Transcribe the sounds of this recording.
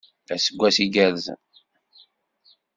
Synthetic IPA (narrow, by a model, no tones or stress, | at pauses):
æsəɡʷːæsiɡæðz